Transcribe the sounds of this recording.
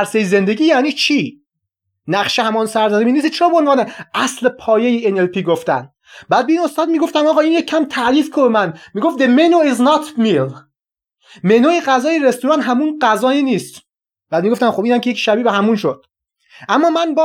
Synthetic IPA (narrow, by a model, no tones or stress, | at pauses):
æɾsejize̞nd̪e̞ɟiːjæːniːt͡ʃʰiː | næχʃehæmɒːnsæɾzæzemiːniːst͡ʃʰeɾɒːbeonvɒːneʔæslepʰɒːjejeenelpiːɡoft̪æn | bæd̪̚beiːno̞st̪ɒːd̪miːɡo̞ft̪æmɒːɣɒːiːnjekʰːæmt̪ʰæʔliːfkʰobemænmiːɡofd̪emenoiznɑt̪mil | menoeɣæzɒːjeɾest̪uɾɑːnt̪ɦæmunɢæzɒːinist̪ | b̥æːd̪miɡoft̪æmxobiːnhæmkʰʲejekʃæbiːbeɦæmunʃod̪̥ | ʔæmːɒːmænb